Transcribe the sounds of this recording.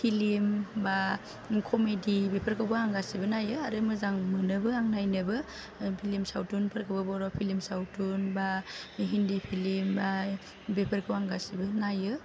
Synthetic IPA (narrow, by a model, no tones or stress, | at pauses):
pʰilimba | kʰɔmedibepʰaɾkʰawbaaŋɡasibɯnajɯaɾɯmɯzaŋmɯnɯbɯaŋnajnɯbɯ | pʰilimsawtunpʰaɾkʰɯwbɯbɔɾɔpʰilimsawtunbaɦindipʰilimba | bepʰaɾkʰɯwaŋɡasibɯnajɯ